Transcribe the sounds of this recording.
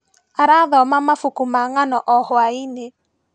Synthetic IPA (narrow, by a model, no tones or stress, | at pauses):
aɾaðɔmamafukumaŋanɔʔɔhwaine